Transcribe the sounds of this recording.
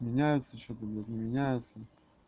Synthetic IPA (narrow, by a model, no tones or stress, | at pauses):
mʲɪnʲæjʊt̪sət͡ɕot̪ədʲet̪nʲɪmʲɪnʲæjʊt̪sə